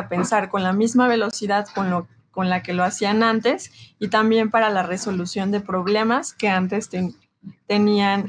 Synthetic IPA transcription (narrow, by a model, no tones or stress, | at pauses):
ape̞nsaɾko̞nlamizmaβe̞lo̞siðaðkon | ko̞nlake̞lo̞asianãnt̪e̞sit̪ambje̞mpaɾalare̞so̞lusjo̞nd̪e̞pɾo̞β̞le̞maske̞ant̪e̞st̪ | t̪e̞nian